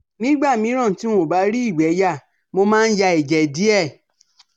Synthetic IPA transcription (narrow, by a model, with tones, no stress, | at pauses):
nĩ˦ɡ͡ba˦˨mĩ˧˦ɾ̃ã˦˨ti˨˦w̃õ˨ba˨˧˦ɾi˦i˦˨ɡ͡bɛ˨˦ja˦˨ | mo˧mãː˦˧n̩˦ja˧e˨d͡ʒɛ˨di˨˦ɛ˦˨